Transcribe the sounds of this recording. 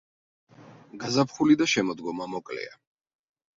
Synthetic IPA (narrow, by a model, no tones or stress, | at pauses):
ɡazapʰχulid̪aʃɛmɔd̪ɡɔmamɔkʼlɛ̰a